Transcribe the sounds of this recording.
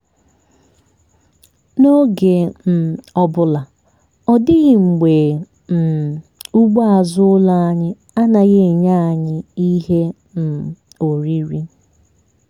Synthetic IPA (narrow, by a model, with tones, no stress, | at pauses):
no˦ɡe˨m̩˨ɔ˦bʊ˦la˨ | ɔ˦dɪ˦ɣɪ˨ŋ͡m̩˨ɡ͡be˨ | m̩˨u˦ɡ͡ba˦a˨zʊ˦ʊ˦la˦a˦ɲɪ˦ | a˦na˨ɣe˦˨ɲa˦a˨ɲɪ˦i˦ɦe˦ | m̩˨ | o˨ɾi˦ɾi˦